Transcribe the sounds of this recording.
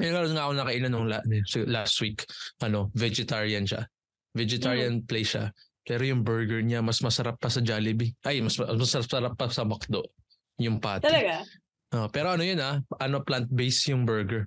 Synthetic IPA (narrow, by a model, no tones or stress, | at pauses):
mɛjŋɐɾonŋaːʔɐkoŋnɐkɐʔinanoŋlaʔnɛsɪɡlast̪wikʔɐno̞vɛd͡ʒɪt̪aɹɪɐnʃa̰ | vɛd͡ʒɪt̪aɹɪɐnplɛjʃa̰pɛːɾojʊŋbɛɹɡɛɹɲamɐsmɐsɐɾapːɐsɐd͡ʒaːlɪbiʔɐjmɐsmɐmɐsɐɾapsɐɾapːɐsɐmɐk̚d̪o̞ʔ | jʊŋpaːt̪ɛɐɡa | ʔoʔpɛːɾo̞ʔɐnojonaʔɐno̞plant̪̚bejsjʊŋbɛɹɡɛɹ